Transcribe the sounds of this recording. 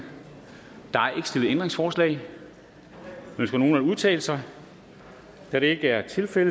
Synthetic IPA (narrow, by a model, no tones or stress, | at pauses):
d̥ɑ̈æɐe̝ɡ̥se̝lð̩ˠend̥ʁeŋsfɒːslɛ̰ɪ | ønsɡ̥æno̝ːnæuð̞ˠt͡sʰɛ̰ːləsɑ̈ɪ | d̥æɾ̥ee̝ɡ̥əæɐt͡sʰe̝lfel